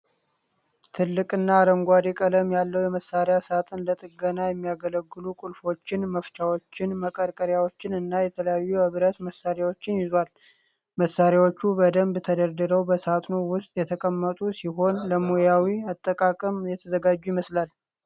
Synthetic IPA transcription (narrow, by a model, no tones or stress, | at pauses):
t̪ʰɨlːɨkʼɨnːaːɾəŋɡʷad̪ikʼələmjalːəwjɛməsaɾjasat̪ʼɨnlət̪ʼɨɡənajɛmːijaɡələɡːɨlukʼʊlfo̞t͡ʃːɪnməft͡ʃʰʼawo̞t͡ʃːɪnməkʼəɾkʼəɾjawot͡ʃːɪnɨnːajɛt̪ʰələjajːuhɨβɾət̪məsːaɾjawo̞t͡ʃːɪnjɪzal | məsːaɾjawot͡ʃːubəd̪əmbt̪ʰəd̪əɾd̪ɨɾəwbəsat̪ʼnuwʊst̪ʼjɛt̪ʰəkʼəmːət̪ʼusiɦo̞nləmojawiat̪ʼːəkʼakʼəmjɛt̪ʰəzəɡad͡ʒːujməslal